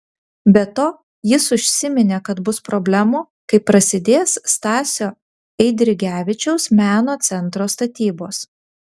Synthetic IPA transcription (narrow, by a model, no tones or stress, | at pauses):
bʲɛt̪oː | jɪsʊʃʲsʲɪmʲɪnʲeːkɐt̪bʊspɾɔbʲlʲɛmuː | kɐɪpːɾɐsʲɪd̪ʲeːsst̪ɑːsʲoː | ɛɪd̪ʲɾʲɪɡʲæːʋʲɪt͡ʃʲɛʊsmʲæːnoːt̪sʲɛnt̪ɾoːst̪ɐt̪ʲiːboːs